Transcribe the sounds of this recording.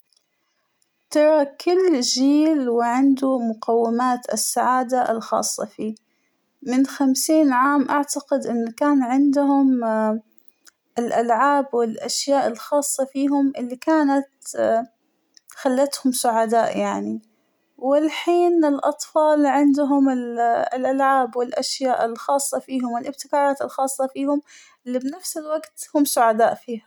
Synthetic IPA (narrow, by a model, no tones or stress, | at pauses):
t̪ɑɾˤɑkɪlːʒiːlwɪʕɪnd̪umʊqʰawːɪmaːt̪ʔɪ̰sːaʕaːd̪aʔlxɑ̰ːsˤːɑ̰fiː | mɪnxamsiːnʕaːmʔaʕt̪aqɪd̪ʔɪnːkaːnʕɪnd̪hʊm | ɪlʔalʕaːbwɪlʔaʃjaːʔɪlxɑːsˤːɑfiːɦʊmʔɪlːikaːnat̪ | xalːat̪hʊmsʊʕad̪aːʔjaʕni | wɪlħiːnɪlʔɑt̪ˤfɑːlʕɪnd̪ɦʊmɪllʔalʕaːbwɪlʔaʃjaːʔɪlxɑːsˤːɑfiːhʊmwɪlʔɪb̚t̪ɪkaːɾˤɑːt̪ɪlxɑːsˤːɑfiːhʊm | ʔɪlːibnafsɪlwaɡt̪hʊmsʊʕad̪aːʔfiːha